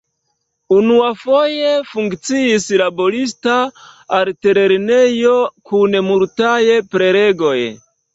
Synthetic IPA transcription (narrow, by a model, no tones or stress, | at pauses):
unuafo̞jefuŋkt͡siislabo̞ɾis̬taalteɾeɾnejo̞kʰunmuɾtajepɾe̞ɾeɡo̞j